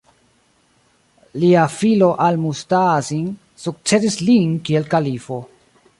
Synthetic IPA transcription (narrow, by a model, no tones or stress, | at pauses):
liafilo̞ʔalmustazin | suk̚t͡se̞sislinkielkalifo̞